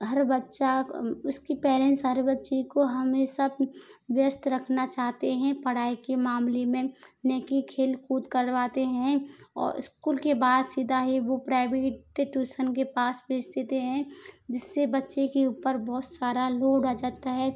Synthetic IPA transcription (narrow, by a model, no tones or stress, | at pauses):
ɦɐɾbətːʃaʊskipɛːɾɛ̃nsɦəɾbɐtːʃekoɦɐmesɐb̚ʋjəst̪ʰɾɐkʰnat͡ʃaːɦt̪eɦɛ̃pɐɽ̤aːikemaːmlemẽneːkikʰeːlkuːt̪kɐɾʋaːt̪eɦɛ̃ɔ̰ːɾɪ̰skuːlkebaːd̪siːd̪ʱaɦiʋopɾaːɪʋeʈːeʈjuːʃənkepaːsbʱeːd͡ʒd̪eːt̪eɦɛ̃d͡ʒɪsːebɐtːʃekeuːpəɾbɔɦʊt̪saːɾaloːɖʱad͡ʒaːt̪aɦɛː